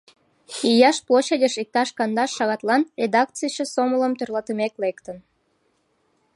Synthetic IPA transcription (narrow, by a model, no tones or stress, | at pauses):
ijɑʃploɕedʲəʃik̚t̪ɑʃkɑnd̪ɑʃːɑɣɑt̪lɑnrʲed̪ɑk̚t͡sijt͡ɕĕsomələmt̪ørlɑt̪əmeklekt̪ən